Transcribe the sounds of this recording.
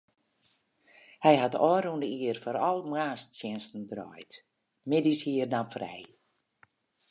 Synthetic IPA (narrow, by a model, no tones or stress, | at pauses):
hɛjhatɔːɾundəiərfoɾɔlˠmwaːstsjɪnstn̩drɔ̰jt | mɪdishiːərnafrɛ̰j